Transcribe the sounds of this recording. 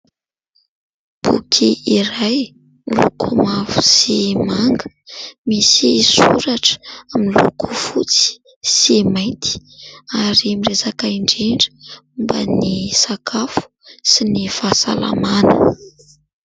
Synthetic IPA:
pṵkʰiiɾaj | lṵkʰumavusimaŋɡə | misisuɾaʈ͡ʂə̥amilṵku̥fut͡si̥ | simajnt̪ʰi̥aɾimirezakaiɳɖ͡ʐeɳɖ͡ʐə̥mba̰nisakʰafu̥sinifasa̰la̰manə̰

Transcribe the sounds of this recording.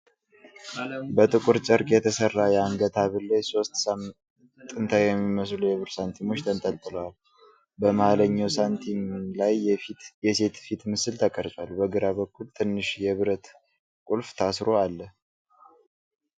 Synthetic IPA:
bət̪ʼɨkʼuɾt͡ʃʼəɾkʼjɛt̪ʰəsərːajɛaŋɡət̪ʰaβɨlːəjso̞st̪s | t̪ʼːɨnt̪ʰajɛmːiməs̬lujɛβɨɾsant̪ʰimo̞t͡ʃːt̪ʰənt̪ʼəlt̪ʼɨləwal | bəmaləɲːawsant̪ʰimlajjɛse̞t̪fit̪mɨsɨlt̪ʰəkʼəɾt͡ʃʼalbəɡɨɾaβəkʰːult̪ʰɨnːɨʃjɛβɨɾət̪ | kʼulft̪ʰasɾo̞alːə

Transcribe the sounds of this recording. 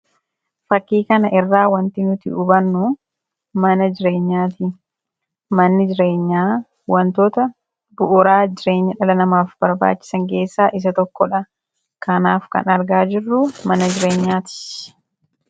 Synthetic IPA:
fɐkːiːkɐnɐʔɪrːaːwɐnt̪inʊt̪ɪ̰ʊbɐnːʊ | mɐnɐd͡ʒɪɾe̞ːɲːaːt̪ɪ | mɐnːɪd͡ʒɪɾe̞ːɲːaː | wɐnt̪oːt̪ɐ | bʊʔʊɾaːd͡ʒɪɾe̞ːɲːɐᶑɐlɐnɐmaːfb̥ɐɾba̰ːt͡ʃːɪ̥sɐŋke̞ːsːaːʔɪs̬ɐt̪ɔkːɔᶑɐ | kɐnaːfkɐ̰nɐɾɡaːd͡ʒɪrːʊmɐnɐd͡ʒɪɾe̞ːɲːaːt̪ɪ̥

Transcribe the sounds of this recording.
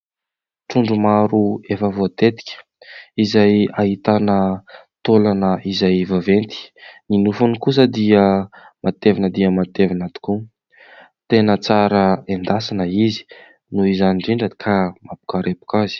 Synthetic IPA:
ʈ͡ʂuɳɖ͡ʐumaɾuefəvot̪et̪i̥kʲə̥ | izajaɦit̪anət̪olanəizajvavent̪i̥ninufunikus̬əd̪iə | mat̪evanəd̪iəmat̪evanat̪u̥ku | t̪enət͡saɾəend̪asanəizi̥ | nuizaniɳɖ͡ʐiɳɖ͡ʐəkʰamapu̥kaɾepu̥kazi̥

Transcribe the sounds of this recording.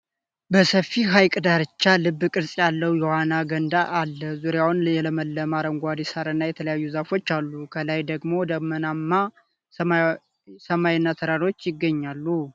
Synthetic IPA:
bəsəfːiɦajkʼd̪aɾɨt͡ʃːalɨbːɨkʼɨɾsʼjalːəwjɛhanaɡənd̪aʔːlːəzuɾjawnjɛləməlːəmaɾəŋɡʷad̪isaɾɨnːajɛt̪ʰələjajːuzafo̞t͡ʃːalːukʰəlajd̪əɡmo̞d̪əmənamːa | səmajɪnːat̪ʰəɾaɾo̞t͡ʃːjɪɡːəɲːalːu

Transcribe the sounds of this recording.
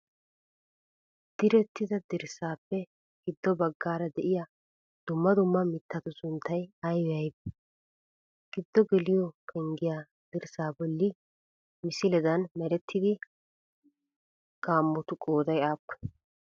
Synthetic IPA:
d̪̥ɪɾɛt̪ːɪd̪ɐd̪ɪɾsaːpːɛ | ɡ̥ɪd̪ːɔbɐɡːaːɾɐd̪ɛʔɪja | d̪̥ʊmːɐd̪ʊmːɐmɪt̪ːɐt̪ʊsʊnt̪ʰːɐjɐjwɛjɐjb | ɡ̥ɪd̪ːɔɡɛlɪjɔkʰɛŋɡɪjaː | d̪̥ɪɾsaːbɔlːɪ | mɪsɪlɛd̪ɐnmɛɾɛt̪ʰːɪd̪ɪ | ɡ̥aːmːɔt̪ʊkʼoːd̪ɐjaːkːɔ̥

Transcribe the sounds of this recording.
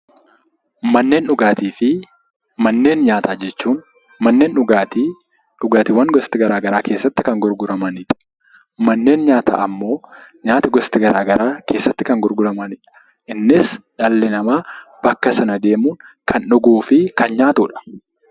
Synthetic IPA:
mɐnːe̞ːnᶑʊɡaːt̪iːfɪ | mɐnːe̞ːnɲaːt̪aːd͡ʒɛt͡ʃːuːn | mɐnːe̞ːnʊɡat̪i | ᶑʊɡaːt̪ɪwɐnɡɔst̪ɪɡɐɾaːɡɐɾaːke̞ːsːɐt̪ːɪkɐŋɡʊɾɡʊɾɐmɐniːᶑɐ̥ | mɐnːe̞ːnɲaːt̪a̰ːʔɐmːo̞ːɲaːt̪ɪɡɔst̪ɪɡɐɾaːɡɐɾaːke̞ːsːɐt̪ːɪkɐŋɡʊɾɡʊɾɐmɐniᶑɐ̥ | ʔɪnːɪsᶑɐlːɪnɐmaːb̥ɐkːɐsɐnɐd̪e̞ːmuːnkʰɐnᶑʊɡuːfɪkɐnɲaːt̪uːᶑɐ̥

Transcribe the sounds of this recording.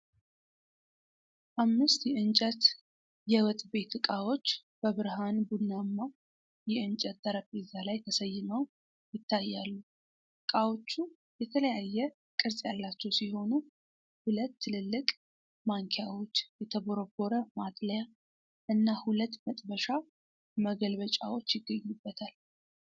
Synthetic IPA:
ʔamːɨst̪jɛɨnt͡ʃʼət̪ | jɛwət̪ʼbe̞t̪ɨkʼawo̞t͡ʃːb̥əβɨɾhanbunːamːa | jɛɨnt͡ʃʼət̪̚d̪əɾəpʼːizalajt̪ʰəsəjːɪnəw | jɪt̪ʰːajːalːu | kʼawo̞t͡ʃːu | jɛt̪ʰələjajːɛ | kʼɨɾsʼjalːat͡ʃːɛwsiho̞nu | hulət̪ʰːɨlɨlːɨkʼ | maŋkʰejawot͡ʃːjɛt̪ʰəboɾoɡo̞ɾəmat̪ʼləja | ʔɨnːahulət̪ːmət̪ʼbəʃa | məɡəlβət͡ʃʼa̰wo̞t͡ʃːjɪɡːəɲːubːət̪ʰal

